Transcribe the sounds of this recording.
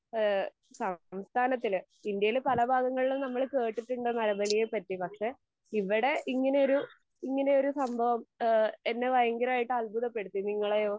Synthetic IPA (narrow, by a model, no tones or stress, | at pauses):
sɐmst̪ʰaːnɐt̪ːil | ind̪jɐjilpɐlɐbʱaːɡɐŋːɐɭilunɐmːɐɭke̞ːʈːiʈːuɳɖɨnɐlɐbɐlijepɐtːipɐkʂe̞ | iʋːiɽe̞ʔiŋːɐne̞o̞ɾu | iŋːɐne̞o̞ɾusɐmbʱɐʋɐme̞nːe̞ʋɐjɐŋɡɐɾaːjiʈːɨɐlbuðɐpːe̞ɽut̪ːiniŋːɐɭejoː